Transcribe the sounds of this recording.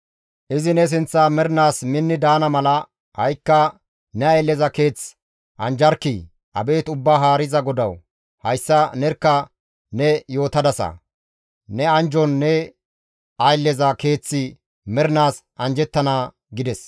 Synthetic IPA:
ʔɪzɪnɛs̬ɪnt͡sːaːmɛɾnaːsmɪnːɪd̪aːnɐmɐlɐ | hɐjkːɐ | nɛɐjlːɛzɐke̞ːt͡s | ʔɐnd͡ʒɐɾkːi | ʔɐ̰be̞ːt̪ʊbːaːɦaːɾɪzɐɡɔd̪ɐw | hɐjsːɐnɛɾkːɐ | nɛjo̞ːt̪ɐd̪ɐsɐ̰ | nɛɐnd͡ʒɔnːɛ | ʔɐjlːɛzɐke̞ːt͡sːɪ | mɛɾnaːsʔɐnd͡ʒɛt̪ːɐnaː | ɡɪd̪ɛs

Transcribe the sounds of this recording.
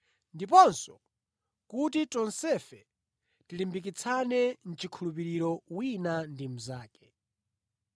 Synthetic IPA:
ndip̬ɔnsɔ | kutitɔnsɛfɛ | tilimbik̬it͡sʰanɛn̩t͡ʃikʰulupiɾiɾɔwinandim̩zaːkɛ̥

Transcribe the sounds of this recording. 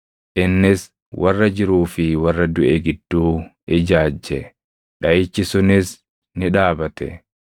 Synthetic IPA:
ʔɪnːɪs | wʔɐrːɐd͡ʒɪɾuːfɪwɐrːɐd̪ʊʔɛɡɪd̪ːuː | ɪd͡ʒaːd͡ʒːɛ | ᶑɐʔɪt͡ʃːɪsʊnɪs | nɪᶑaːbɐt̪ɛ̰

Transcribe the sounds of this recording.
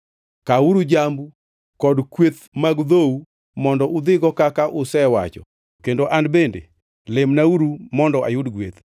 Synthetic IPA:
kauɾud͡ʒambu | kɔdkwet̪maɡd̪ou | mɔndɔʔʊd̪ɪɡɔkakaʔʊsɛwa̰t͡ʃɔ̰ | kendoʔanbendḛ | lɪmnauɾumɔndɔʔa̰jʊdɡwet̪

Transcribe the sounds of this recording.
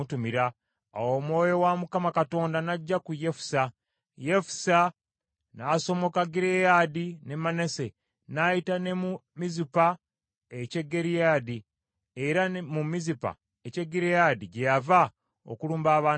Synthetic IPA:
tumiɾa̰ː | wo̞mwo̞ːjo̞wamukamakato̞ːndanaɟːakuje̞fu̥sa | jefu̥sa | naːso̞mo̞kaɡiɾejadine̞mane̞se̞ | najitane̞mumizipa | ece̞ɡːeɾijad̪i | eɾamumizipa̰ | eceɡiɾejadiɟejava | o̰kuluːmbaːβaː

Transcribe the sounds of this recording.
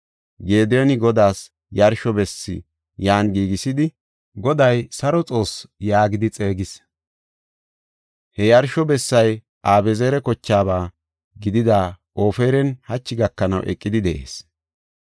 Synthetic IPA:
ɡe̞ːd̪ɛjɔnɪɡɔd̪aːs | jɐɾʃɔbɛsːɪ̰ | jaːnɡiːɡɪsɪd̪ɪ | ɡɔd̪ɐjsɐɾɔt͡sʼo̞ːsjaːɡɪd̪ɪt͡sʼe̞ːɡɪs | hɛjɐɾʃɔbɛsːɐj | ʔaːbɛzeːɾɛkɔt͡ʃːaːbaː | ɡɪd̪ɪd̪a | ʔo̞ːfeːɾɛnhɐt͡ʃːɪɡɐkːɐnɐ̰wʔɛ̰kʼːɪd̪ɪd̪ɛʔe̞̰ːs

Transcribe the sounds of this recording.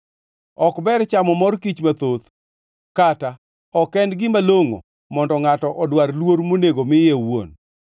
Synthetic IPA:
ɔkbɛɾt͡ʃamɔmɔrkit͡ʃmat̪ot̪ | kata | ɔkɛndɡɪmaloŋo̰ | mɔndɔŋatɔʔɔdwarlwoɾmoneɡomɪjewo̰n

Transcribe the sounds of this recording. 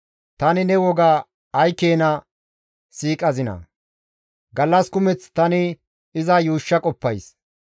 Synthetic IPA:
t̪ɐnɪnɛwɔɡaː | jkeːnɐ | siːkʼɐzɪnɐ̰ | ɡɐlːɐskʊmɛt͡st̪ɐnɪ | ɪzɐjuːʃːɐkʼɔpːɐjs

